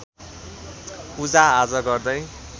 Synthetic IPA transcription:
pud͡zaad͡zʌɡʌrd̪ʌj

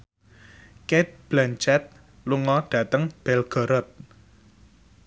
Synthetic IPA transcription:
ket̪̚b̥lant͡ʃɛt̪̚ | luŋɔɖ̥ä̤t̪əŋb̥ɛlɡ̥ɔ̤ɾɔt̪̚

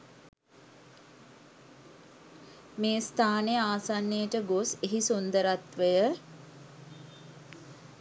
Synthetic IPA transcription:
meːst̪ʰaːnejəaːsanːejəʈəɡoseɦisund̪əɾat̪ʋəjə

